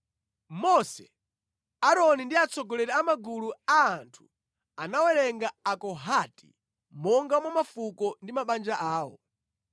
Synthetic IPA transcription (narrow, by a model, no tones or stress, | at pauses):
mɔsɛ | aɾɔnindiat͡sʰɔɡɔlɛɾɛamaɡuluaːntʰu̥ | anawɛlɛŋɡaakɔɦatḭ | mɔŋɡamɔmafukɔndimaɓand͡ʒaʔaːwɔ̰